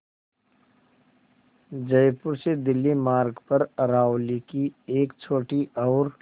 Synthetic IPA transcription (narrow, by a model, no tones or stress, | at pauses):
d͡ʒɐjpʊɾsed̪ɪlːimaːɾɡpɐɾɾaːʊlikieːkt͡ʃʰoːʈiʔɔːɾ